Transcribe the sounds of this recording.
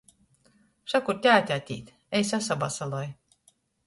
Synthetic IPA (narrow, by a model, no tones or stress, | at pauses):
ʃakuɾt̪ʲaːt̪ʲat̪ʲḭːt̪ʲ | ɛjsasabasalˠɔj